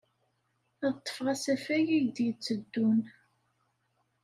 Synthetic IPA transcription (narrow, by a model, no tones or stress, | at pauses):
ðt̪ˤːə̥fʁæsæfæjijd̪jət͡sːəd̪ːun